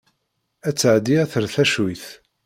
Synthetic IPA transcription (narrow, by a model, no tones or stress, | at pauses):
æt͡sːəʕd̪iæθəɾθæʃwiθ